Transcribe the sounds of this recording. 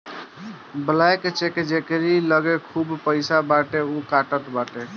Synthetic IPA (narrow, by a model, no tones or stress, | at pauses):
bəlajket͡ʃeked͡ʒekɾiləɡekʰubpəɪsabaʈeukaʈət̪baʈe